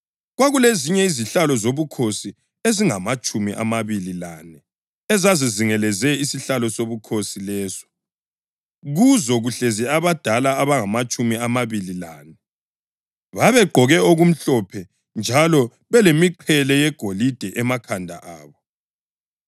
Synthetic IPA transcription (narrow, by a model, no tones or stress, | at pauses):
ɣwaɣuleziɲɛiziɬalɔzoβukʰosi | eziŋamat͡ʃʼumḭʔa̰maβililanɛ | ɛzaziziŋɛlɛzɛisiɬalɔsoβukʰosilɛːzɔ̥ | ɣuzɔɣuɬɛzɛaβad̥ʱalaːβaŋamat͡ʃʼumiamaβililaːnɛ | βaβɛɡ͡ǃʱɔɣɛoɣum̩ɬɔpʰɛ | nd͡ʒʱalɔ | βɛlemiǃʰɛlɛjɛɡ̥ʱolid̥ʱɛʔɛmakʰandʱa̰ʔaːβɔ